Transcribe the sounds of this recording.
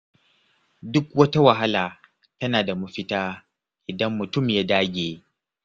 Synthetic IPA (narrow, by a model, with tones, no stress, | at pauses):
dʊ˦kwɐ˦ta˦wɐ˨ɦa˦laː˨ | tɐ˦naː˨da˨mu˦ɸɪ˦taː˦ | ʔɪ˨dɐ˦mːʊ˨tʊ˦˨mjaː˦daː˦ɡʲeː˨